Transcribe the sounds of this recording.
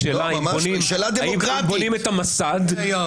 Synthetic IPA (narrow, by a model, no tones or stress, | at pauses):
elajimbonimʃelad̪eaimʁabonimet̪amasad̪